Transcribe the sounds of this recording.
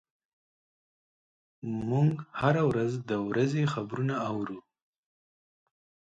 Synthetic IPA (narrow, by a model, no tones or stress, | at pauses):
muŋɡhaɾawɾazd̪əwɾazexabɾunaawɾu